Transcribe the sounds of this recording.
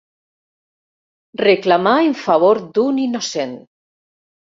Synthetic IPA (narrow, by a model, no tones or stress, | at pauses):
reklamaeɱfaβ̞oɾd̪uninosen